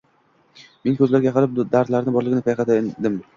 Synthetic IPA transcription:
me̞nkʲʰɵzlaɾɡʲajɑqʰɨlɪp̚d̪aɾd̪laɾɪnɪbɒɾlˠɪɡʲɪnɪp̪ʰajqɑt̪d̪ɪm

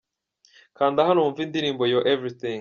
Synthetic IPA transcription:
kaːnd̪aɦanoːɱvind̪iɾiːmbojoʔevɾiθĩŋ

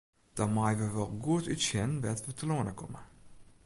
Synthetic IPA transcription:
d̥ɔmajʋəʋɔlˠɡuətytsɛnʋɛtʋətəlonəkɔmə

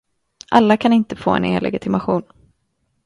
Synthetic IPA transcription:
ʔalːakʰanɪnt̪əfoːɛ̰nḛːlʔɛ̰ɡɪt̪ʰɪmaɧuːn

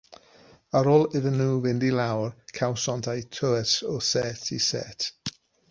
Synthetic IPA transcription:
əɾɔlˠɪvənuːvɪndilawrkʰawsɔntʰajtʰəɛtɔsɛtʰisɛ̰tʰ

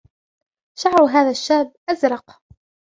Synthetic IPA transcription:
ʃaʕɾɦaːðaʃːaːbʔazɾˤɑq

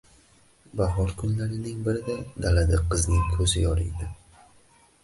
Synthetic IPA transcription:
baɦɒɾkʰʊnlaɾɪnɪŋbɪɾɪd̪ad̪alad̪ɪqʰːɨznɪŋkʰɵzɪjɒɾɪjd̪ɪ

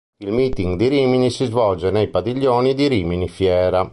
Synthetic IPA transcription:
ilmiːt̪iŋɡd̪iɾiːminisizvɔld͡ʒɛnɛjpad̪iʎːoːnid̪iɾiːminifjɛːɾa

